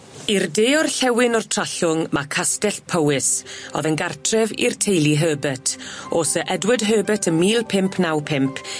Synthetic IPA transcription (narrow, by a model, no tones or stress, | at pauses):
irdeːɔrɬɛwɪnɔrtʰr̥aɬʊŋmakʰastɛɬpʰəwɪsɔ̰ðənɡartʰrɛvḭrtʰejlˠiɦəːbɛtʰoːsəʔɛdwɪdɦəːbɛtʰəmiːlˠpʰɪmpʰnawpʰɪmpʰ